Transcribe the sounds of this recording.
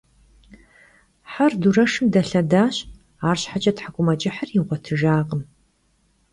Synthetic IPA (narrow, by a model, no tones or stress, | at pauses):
ħardurɐʂɨmdɐɬɐdaːɕ | aːrɕħat͡ʃʼɐtħakʷʼʊmɐt͡ʃʼɪħərjiʁʷɔtʰɨʒaːʁəm